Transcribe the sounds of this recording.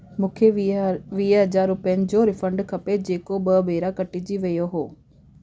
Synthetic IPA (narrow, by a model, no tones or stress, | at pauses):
mũːkʰeʋiːɦɐzaːɾːʊpiənɪ̆d͡ʑoːɾɪfə̃ɳɖkʰɐped͡ʑeːkobɐbʱeːɾakɐʈid͡ʑiʋɐjoɦoː